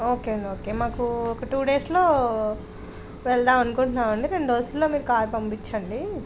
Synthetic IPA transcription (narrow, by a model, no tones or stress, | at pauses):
o̞ːkeɐɳɖioːkeːmaːkuɔkɐʈuːɖe̞ːslo̞ː | ʋɛɭd̪aːmɐnukuɳʈnaːmɐɳɖiɾe̞ɳɖʋɐsulːo̞ːmiːɾukaːjipɐmpit͡ʃːɐɳɖi